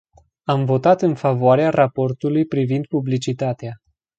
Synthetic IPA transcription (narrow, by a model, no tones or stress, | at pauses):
amvo̞t̪at̪ɨnfavoaɾearʔapo̞rt̪ulujpɾivind̪̚publit͡ʃit̪at̪ea